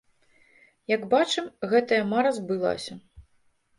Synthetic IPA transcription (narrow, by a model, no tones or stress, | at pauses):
jɐɡbat͡ʂɨmɣɛt̪ɐjɐmaɾɐzbɨlˠa̰sʲɐ